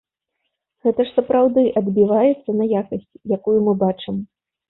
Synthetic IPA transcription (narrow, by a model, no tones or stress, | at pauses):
ɣɛt̪ɐʂsɐpɾawd̪ɨʔɐd̪bʲivajɛt̪sːɐnɐjakɐsʲt͡sʲjakujumɨbat͡ʂɨm